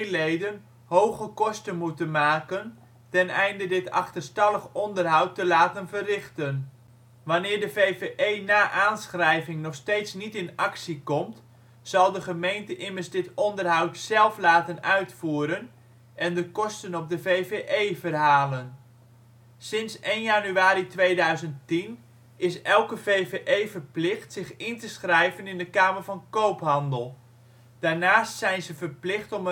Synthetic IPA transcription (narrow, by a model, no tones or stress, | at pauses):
lejdən | howχəkɔstənmutənmaːkən | tɛnɛjndədɪtɑ̰χtərstɑlˠəχɔndərɦʌwtːəlaːtənvərɪχtən | ʋanɪːɹdəvejveʔejnaːʔaːnsχrɛjvɪŋnɔχstejtsnitɪnɑksikɔmt | sɑlˠdəχəmejntəʔɪmərsdɪtɔndərɦʌwtsɛlˠflaːtənœɥtfuːɾən | ʔɛndəkɔstənɔp̚dəvejveʔejvərɦaːlən | sɪnsejnjanyaːɾitʋejdœɥzənttin | ɪsɛlˠkəvejveʔejvərplɪχtsɪχɪntəsχrɛjvənɪndəkaːmərvɑnkowpɦɑndəlˠ | d̥aːɹnaːstsɛjnzəvərplɪχtɔmə